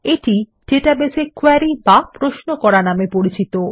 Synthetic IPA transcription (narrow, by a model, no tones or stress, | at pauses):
eʈi | ɖeʈabesekwaɾibapɾosnokɔɾanamepoɽit͡ɕit̪o